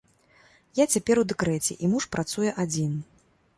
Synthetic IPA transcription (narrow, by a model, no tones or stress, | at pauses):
jat͡sʲapʲɛɾwd̪ɛkɾɛt͡sʲɛ̰ʔimuʂpɾat̪sujɛʔad͡zʲin